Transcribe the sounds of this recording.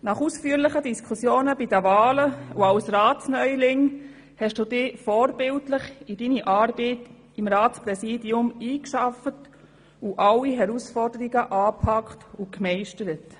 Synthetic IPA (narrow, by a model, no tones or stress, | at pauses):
nɑχuːsfyːəɾlɪχədiskʰusjoːnəbidəvɑːləuawsɾɑːsnœʏlɪŋ | hɛʃd̥uːd̥ɪːfɔːɾbɪltlɪχid̥iniʔɑːɾbɛt | imɾɑːtspɾɛsiːdjʊmiːkʃɑfət | uʔɑlːiɦɛɾusfɔɾdəɾiɡəʔɑːpʰɑktukmɛɪʃtəɾət